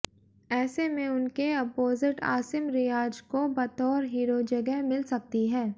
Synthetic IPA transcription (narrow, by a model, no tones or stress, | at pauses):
ɛːsemẽʊnkeɐpoːzɪʈa̰ːsɪmɾɪjaːd͡ʒkobɐt̪ɔːɾɦiːɾod͡ʒɐɡɛɦmɪlsɐk̚t̪iɦɛː